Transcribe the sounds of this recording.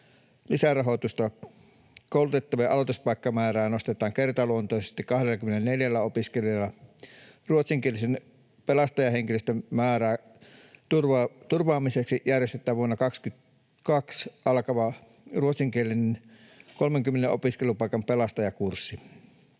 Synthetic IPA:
lisærɑɦot̪ust̪ɑ | koˑulut̪et̪ːɑʋɑjɑʔɑ̰lot̪uspɑˑikːɑmæːræːnost̪et̪ˑɑːŋkert̪ɑluont̪oˑisest̪ikɑhdelːækymːenelneljælːæopiskeljelːɑ | ruot̪siŋkielːˑisen | pelɑst̪ɑjɑheŋkiløst̪æmæːræː | t̪urʋt̪urʋɑːmiseksiʔjærjest̪et̪ːˑæːʋuonːɑkɑkskyt̪ | kɑksʔɑlkɑʋɑ | ruot̪siŋkielːˑinen | kolmeŋkymːeneʔo̰piskelupɑˑikɑmpelɑst̪ɑjɑkursːi

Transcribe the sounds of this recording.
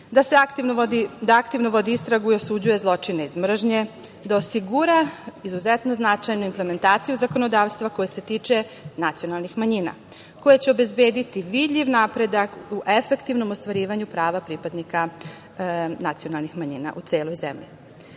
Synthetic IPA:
d̪aseakt̪ind̪id̪aakt̪iʋnoʋo̞d̪iist̪ɾaɡuio̞sud͡ʑuje̞zlˠo̞t͡ʂineizmr̩ʒɲe̞ | d̪aosiɡuɾaizuzet̪no̞znat͡ʃajnuimple̞me̞nt̪aːt̪sijuzako̞no̞d̪aːʋst̪ʋako̞jese̞t̪iːt͡ʂe̞ | nat̪sijo̞nalˠnixmaɲina̰ | ko̞jet͡ɕeobe̞zbeːd̪it̪iʋid̪ʎʲiʋnapɾe̞d̪akuʔefe̞kt̪iʋno̞most̪ʋaɾiːʋaɲupɾaːʋapɾipad̪nika | nat̪sijo̞nalˠnixmaɲiːna̰ʔut̪se̞ːlo̞jzḛmʎḭ

